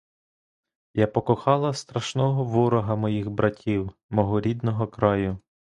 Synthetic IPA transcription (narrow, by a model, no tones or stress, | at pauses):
japɔkɔxɑlˠɐst̪ɾɐʃnɔɦɔʋɔɾɔɦɐmɔjiɣbɾʔɐtʲʰiwmɔɦɔɾʲid̪nɔɦɔkɾɑjʊ